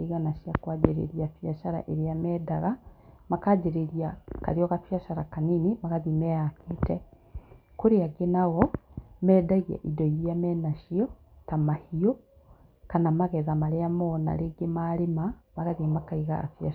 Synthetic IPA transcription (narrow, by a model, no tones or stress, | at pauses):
iɣanaʃjakwaːd͡ʒeɾḛɾijafjaʃaɾa̰ʔeɾeamɛːdaɣamakaːd͡ʒeɾeɾjaka̰ɾiɔɣafjaʃaɾakaninimaɣaðimɛakʰetɛ | koɾeaɡenaɣɔmɛːdaɣia̰ʔidɔiɾiamɛnaʃiɔ | tamahiɔ | kanamaɣɛðamaɾeamɔna̰ɾeɡemaɾemamaɣaðimakaiɣa̰ːfja